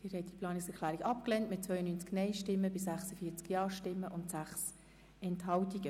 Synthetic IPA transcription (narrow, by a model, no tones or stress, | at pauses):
d̥ɪːɾhɛt̚d̥ipʰlɑːnɪksɛklæːɾikɑpklɛntmɪt̚t͡sʋœʏənynt͡sknɛɪʃtɪmːəbɪsæχsəfiːt͡skjɑːʃtɪmːəʔʊntsæχs | ɛnthɑltiɡ̥ə